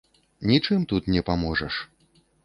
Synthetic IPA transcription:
nʲit͡ʂɨmt̪ut̪nʲɛpamɔʐɐʂ

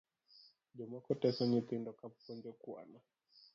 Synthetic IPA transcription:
ʄɔmakɔtɛsɔɲit̪ɛndɔkappɔnd͡ʒɛkua̰na

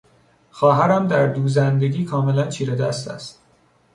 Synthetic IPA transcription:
xɒːɦæɾæmd̪æɾd̪uːzænd̪e̞ɡʲiːkʰɒːme̞lænt͡ʃʰiːɾed̪æst̪æ̰st̪

